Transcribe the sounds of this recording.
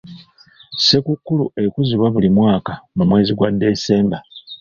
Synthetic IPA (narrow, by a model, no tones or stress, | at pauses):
se̞kukːulue̞kuziβwaβulimwaːkamumwe̞ːziɡwadːe̞se̞ːmba